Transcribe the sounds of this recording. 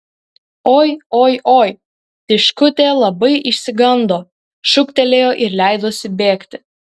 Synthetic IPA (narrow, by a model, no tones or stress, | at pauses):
oːjoːjʔoːj | t̪ʲɪʃkʊt̪ʲeːlˠɐbɐɪʔɪʃʲsʲɪɡɐnd̪oː | ʃʊkt̪ʲɛlʲeːjoːʔɪɾlʲæˑɪd̪oːsʲɪbʲeːkt̪ʲɪ